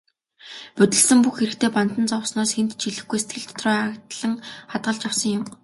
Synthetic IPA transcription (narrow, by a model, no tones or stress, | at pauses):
pɵt̪ɘ̆ɮsɘ̆mpuxːeɾɘ̆kt̪ʰeːpant̪ə̆nt͡sɔwsnɔːsxent̪t͡ɕiɮɘ̆xɡujse̥t̪ɡɘ̆ɮt̪ʰt̪ʰrɔːakt̪ɮə̆ŋχat̪̚ɢə̆ɮt͡ɕawsə̆ŋjʊm